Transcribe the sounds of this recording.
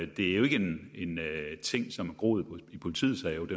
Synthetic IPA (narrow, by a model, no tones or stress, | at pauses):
d̥e̝æɐjoe̝ɡ̥əene̝nt͡sʰeŋ̰sɒ̽mæɐɡ̥ʁɔ̰ːð̩ˠpʰipʰo̝lit͡sʰḭːð̩ˠsɛɪod̥e